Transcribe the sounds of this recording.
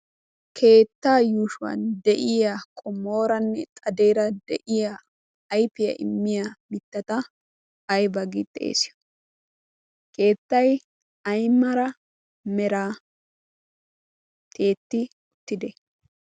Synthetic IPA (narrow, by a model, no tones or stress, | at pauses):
kʰe̞ːt̪ːaːjuːʃʊwɐ̰nd̪ɛʔɪjakʼɔmo̞ːɾɐnːɛt̪ʼɐd̪ejɾɐd̪ɛ̰ʔɪjaː | jpɪjɐ̰ʔɪmːɪjamɪt̪ːɐt̪ɐː | jbɐɡɪt̪ʼːḛːsɪjɔ̥ | ke̞ːt̪ːɐj | ɐjmɐɾɐ | mɛɾaː | t̪ʰʼe̞ːt̪ːɪ | ʊt̪ːɪd̪ɛ